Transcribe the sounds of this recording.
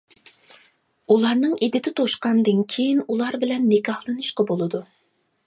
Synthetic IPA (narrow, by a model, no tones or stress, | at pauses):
ulˠɑɾnɨŋid̪ɪt̪ʰɪt̪ʰoʃqɑnd̪ɨnkʲʰejinulˠɑɾbɪlɛnːɪkʲɑhlˠɨnɨʃqɑbolˠɨd̪u